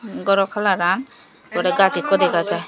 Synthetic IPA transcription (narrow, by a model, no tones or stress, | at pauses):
ɡɔɾɔkʰalaɾan | kɔɾɛɡatikːɔd̪ɛkad͡ʒa